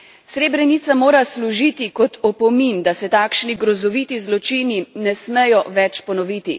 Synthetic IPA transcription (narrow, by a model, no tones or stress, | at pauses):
sɾeːbɾɛnit̪samoːɾasluʒiːt̪ikɔt̪ɔpɔmind̪asɛt̪aːkʃniɡɾɔzɔʋiːt̪izlɔt͡ʃininɛsmɛjɔʋɛt͡ʃpɔnɔʋiːt̪i